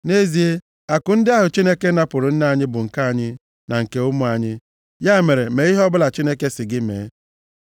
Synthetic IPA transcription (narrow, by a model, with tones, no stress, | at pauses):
ne˦zi˨e˦ | a˨kʊ˨n̩˦dɪ˦a˦ɦʊ˨t͡ʃi˦ne˦ke˦na˦pʊ˨ɾʊ˨n̩˦na˦a˨ɲɪ˦bʊ˨ŋ̩˨ka˦a˨ɲɪ˦ | na˨ŋ̩˨ke˨ʊ˦mʊ˦a˨ɲɪ˦ | ja˦˨me˨ɾe˨me˨i˦ɦɔ˦bʊ˦la˨t͡ʃi˦ne˦ke˦sɪ˨ɡɪ˦mḛː˨˦